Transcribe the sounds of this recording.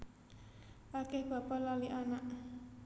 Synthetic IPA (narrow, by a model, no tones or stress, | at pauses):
ʔakɛhb̥a̤palaliʔanaʔ